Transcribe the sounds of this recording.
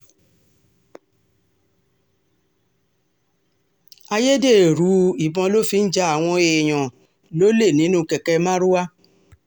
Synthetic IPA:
a˧je˦de˦˨e˨ɾu˨˦i˨bɔ̃˧lo˦fi˧n̩˦d͡ʒa˧˦a˨w̃ɔ̃˧e˧˨j̃ɔ̃˨ | lo˦le˦˨nĩ˨˦nũ˦kɛ˨kɛ˧mã˦ɾu˦wa˦

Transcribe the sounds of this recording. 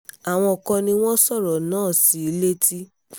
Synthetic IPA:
a˨w̃ɔ̃˧ɔ˨kɔ̃˧nĩ˧w̃ɔ̃˦sɔ˦˨ɾɔ˨nãː˦˨si˨˦le˦ti˦

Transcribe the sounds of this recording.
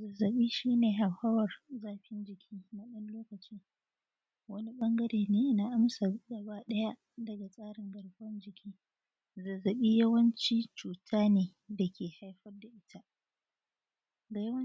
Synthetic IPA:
zɐ˨zːɐ˨ɓiː˦ʃiː˦neː˨ɦa˨hɐ˦wɐ˨rzaː˦ɸɪ˦nd͡ʒɪ˨kʲʰiː˦na˦ɗɐ˦nloː˦kɐ˨t͡ʃiː˦ | wɐ˦ni˦ɓɐ˦ŋɡɐ˦ɾeː˨neː˨ʔɪ˦naː˨ʔa˦msa˨ɡɐ˨baː˦ɗɐ˦ja˦ʔ | dɐ˨ɡa˨sʼaː˦ɽɪ˨ŋɡɐ˨ɽɸɐ˦nd͡ʒɪ˨kʲʰiː˦ | zɐ˨zːɐ˨ɓiː˦jɐ˦wɐ˦nt͡ʃiː˦t͡ʃuː˨tʰaː˦neː˨ | da˨kʲeː˨ha˦jɸɐ˦rda˨ʔɪ˦tʰa˦ʔ | ɡa˨jɐ˦wɐ˦

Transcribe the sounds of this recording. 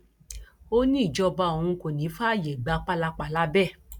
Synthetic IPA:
o˦nĩ˦i˦˨d͡ʒɔ˧ba˧o˨hũ˧ko˨nĩ˨˦fa˦˨je˨ɡ͡ba˧k͡pa˦la˧k͡pa˧˨la˦bɛ˦˨

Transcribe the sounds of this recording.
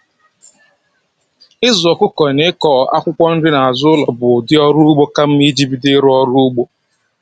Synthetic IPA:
ɪ˦zʊ˨ɔ˨kʷʊ˦kɔ˨ne˦kɔː˦˨a̰˦kʷʊ˦kʷɔ˦n̩˦dɪ˦na˨a˨zʊ˦ʊ˦lɔ˨bʊ˨dɪ˦ɔ˦ɾu˦ɡ͡bo˦ka˦m̩˦mi˦d͡ʒi˦bi˨dɪ˦ɾʊ˦ɔ˦ɾʊ˦u˦ɡ͡bo˦

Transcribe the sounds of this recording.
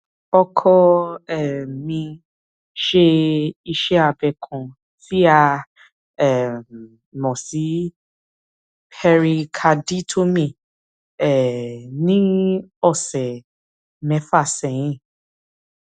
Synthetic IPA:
ɔ˧kʰɔ˦ɛ˨mĩ˧ | ʃe˧i˧ʃɛ˦a˧˨bɛ˨kʰɔ̃˨ | si˦a˦˧ | ɛ˨ | mɔ̃˨si˨˦ | pɛ˧ɾi˧kʰa˧di˦tʰo˦mĩ˧˨ | ɛ˨nĩ˦ɔ˦˨sɛ˨ | mɛ̃˨˦fa˦˨sɛ̃˨j̃ĩ˦˨

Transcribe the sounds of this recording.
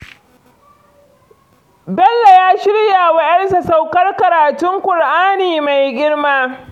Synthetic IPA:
bɛ˦lːa˨jaː˦ʃɪ˦ɽja˨wɐ˦ʔɐ˦nsa˨sa˨wkɐ˦rkɐ˨ɾaː˨tʊ˦ŋkʷʊ˨ɽʔaː˦niː˨ma˨jɡʲɪ˦rmaː˦

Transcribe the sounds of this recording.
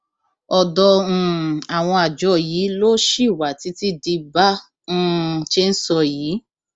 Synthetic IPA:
ɔ˧dɔ̃˧˦˧a˨w̃ɔ̃˧a˨d͡ʒɔ˧˦jiː˨˦lo˦ʃi˦˨wa˨ti˨˦ti˦di˧bã˦˧˦ | ʃe˦n̩˦sɔ˧˨jiː˨˦

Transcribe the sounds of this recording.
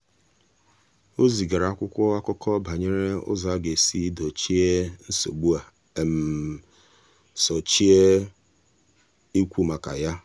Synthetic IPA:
o˦zi˨ɡa˨ɾa˨a˦kʷʊ˦kʷɔ˦a˦kʊ˦kʰɔ˦ba˨ɲe˦ɾe˦ʊ̰˦za˦ɡe˨si˦do˨t͡ʃi˦e˦n̩˦so̰˨ɡ͡bu˦a˨ | m̩˨ | sɔ˨t͡ʃi˦e˦ | i˦kʷu˦ma˨ka˨ja˦

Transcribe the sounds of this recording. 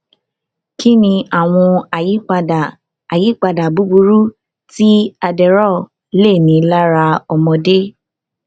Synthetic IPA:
ki˦nĩ˧a˨w̃ɔ̃˧a˨ji˨˦k͡pa˧a˨ | a˨ji˨˦k͡pa˧da˨bu˦bu˧ɾu˦ | ti˦a˧dɛ˨ɾɔ˦˨ | le˦˨mĩ˨˦la˦ɾa˧ɔ˧mɔ̃˧de˦

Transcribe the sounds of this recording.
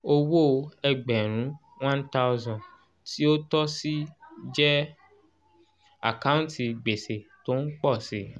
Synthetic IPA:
o˧wo˦˨˧ɛ˧ɡ͡bɛ˨ɾ̃ũ˨˦ | wã˦n˦ta˦u˦zɔ̃˨n | ti˦o˦tɔ˦si˦d͡ʒɛ˦ | a̰˨ka˦ũ˦nti˧˨ɡ͡be˨se˨to˦n̩˦k͡pɔ˦˨si˨˦

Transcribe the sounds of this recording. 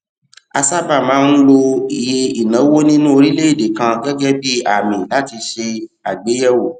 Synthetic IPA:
a˧sa˦ba˦˨mãː˨˦n̩˦lo˧i˨je˧i˨nã˨˦wo˦nĩ˦nũ˦o˧ɾi˦le˦i˦˨de˨kã˧ɡɛ˦ɡɛ˦bi˦a˦˨mĩ˨la˨˦ti˧ʃe˧ | a˨ɡ͡be˨˦jɛ˦wo˦˨

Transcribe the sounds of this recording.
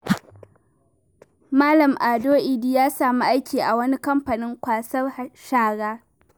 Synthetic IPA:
maː˦lɐ˨mʔaː˨doː˦ʔi˨diː˦jaː˦saː˨mu˦ʔa˦jkʲiː˨ʔa˨wɐ˦ni˦kɐ˦mɸa˨nɪ˦ŋkʷaː˨sɐ˦rʃaː˦ɽaː˦

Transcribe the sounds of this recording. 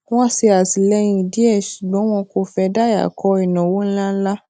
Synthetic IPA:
w̃ɔ̃˦si˧a˨si˨lɛ˦jĩ˧˨di˦ɛ˦˨ʃu˨ɡ͡bɔ̃˨˦w̃ɔ̃˧ko˧˨fɛ˧da˦˨ja̰˨kʰɔ˧˦i˨nã˨wo˦n̩˦la˦n̩˦la˦

